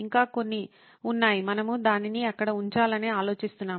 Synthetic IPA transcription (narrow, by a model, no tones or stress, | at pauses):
iŋkaːko̞nːi | unːaːjimɐnɐmud̪aːniniɐkːɐɽɐuɲt͡ʃaːlɐne̞ːaːlo̞ːt͡ʃist̪unːaːm